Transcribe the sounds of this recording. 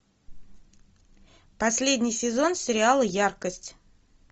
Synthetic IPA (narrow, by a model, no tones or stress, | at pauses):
pɐsʲlʲedʲnʲɪjsʲɪzo̞nsʲɪɾʲɪalˠəjarkəsʲtʲ